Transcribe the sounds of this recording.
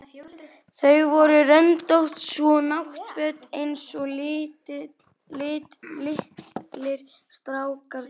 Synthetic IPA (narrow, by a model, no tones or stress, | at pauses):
θœɥɣvɔɾʏrœnt̪owht̪svɔnawht̪vœːt̪ejnsɔl | lɪːt̪lɪhlɪɾ̥st̪ɾaːwkaɾ